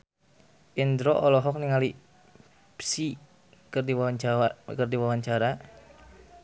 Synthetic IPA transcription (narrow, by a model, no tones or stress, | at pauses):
ʔind̪ɾɔʔɔlɔɦɔk̚niŋali | psi | kdiwakərdiwawaɲt͡ʃaɾa